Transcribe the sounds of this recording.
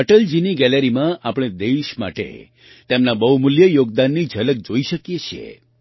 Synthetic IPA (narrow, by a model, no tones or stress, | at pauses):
əʈəld͡ʒiniɡɛləɾimãʔapɽ̃ed̪eʃma̰ʈḛ | t̪emnabəɦumʊljəjoɡ̚d̪anːid͡ʒʱələk̚d͡ʒoiʃəkjet͡ʃʰijḛ